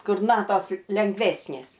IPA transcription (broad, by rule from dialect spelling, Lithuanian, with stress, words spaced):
ˈkʊr ˈnɑːtoːs lʲɛŋɡˈʋʲæːsʲnʲeːs